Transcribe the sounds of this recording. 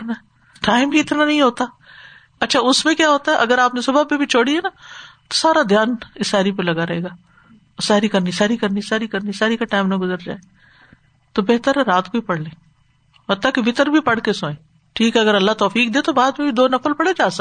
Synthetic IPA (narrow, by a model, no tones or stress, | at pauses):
naɛ | ʈaːɪmbʱiɪt̪nanɐɦĩɦoːt̪aː | ɐtːʃʰaʊsmẽkjaːɦoːt̪aɛʔɐɡəɾaːpnesʊbapebʱit͡ʃʰoːɽiɦɛnat̪osaːɾad̪ʱjaːnɪsaːɾipelɐɡaɾɐɦeːɡaː | saːɾikɐɾnisaːɾikɐɾnisaːɾikɐɾnisaːɾikaʈaːɪmnɐɡʊzəɾd͡ʒa̰ːe | t̪obeɦt̪əɾɾaːt̪koipɐɽ̤lẽː | ɦɐt̪ːakeʋɪt̪əɾbʱipɐɽkesõːẽː | ʈʰiːkɦɛɐɡəɾɐlːat̪ɔːfiːk̚d̪ẽːt̪obaːd̪̚mẽbʱid̪oːnɐfəlpɐɽed͡ʒaːsɐ